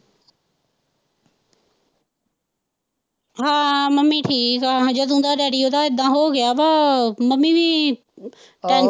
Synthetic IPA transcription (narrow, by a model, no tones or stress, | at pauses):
ɦaːməmːiːʈʰiːkad͡ʒəd̪ũːnd̪aːɗaːɾioːd̪aːɪd̪ãːɦoːɡɪjaːʋaːməmːiʋi | ʈaːn